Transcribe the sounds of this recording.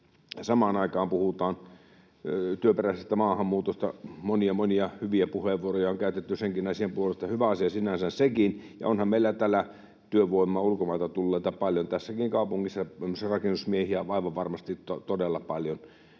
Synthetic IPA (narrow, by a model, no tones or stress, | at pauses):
sɑmɑːnɑˑikɑːmpuhut̪ɑːn | t̪yøperæˑsest̪æmɑːhɑmːuːt̪ost̪ɑ̰moniɑmoniɑhyʋiæpuheʋʋuorojɑoŋkæˑyt̪et̪ːyseŋkinæˑsiempuolest̪ɑhyʋæɑsiɑsinænsænsekinjɑ̰onhɑmmeˑilːæt̪ælæ | t̪yøʋoˑimːɑulkomɑˑit̪ɑt̪ulːeˑit̪ɑpɑljont̪æsːækiŋkɑˑupuŋːisːɑæmːsrɑkenːusmiehiæɑˑiʋɑʋʋɑrmɑst̪ittot̪odelːɑpɑljon